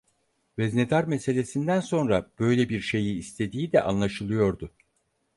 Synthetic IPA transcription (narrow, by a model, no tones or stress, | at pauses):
vɛzne̞d̪aɾmese̞lʲe̞sind̪ænso̞nɾab̥ø̞jlʲebiɾʃe̞jiːst̪ʰe̞d̪iːd̪ɛ̰ʔa̰nlˠaʃɯlˠɯjo̞ɾd̪ʊ